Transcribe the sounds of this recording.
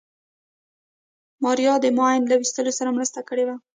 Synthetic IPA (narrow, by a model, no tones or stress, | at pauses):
mɑɾijɑd̪əmojnlawist̪əlosaɾamɾəst̪akəɽewa